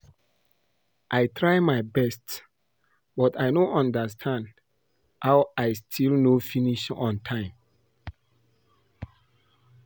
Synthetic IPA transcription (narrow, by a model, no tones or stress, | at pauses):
ʔajtʰɹajmajbɛst | bɔtajnõʔɔ̃ndəstʰãnd | hawajstʰilnofiniʃɔ̰̃ntʰãɪ̃m